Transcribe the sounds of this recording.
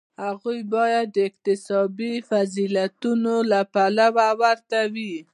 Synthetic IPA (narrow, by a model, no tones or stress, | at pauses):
haɣujbɑjad̪ːəɪq̚t̪ɪsɑbifazilat̪unolapalawawaɾt̪awi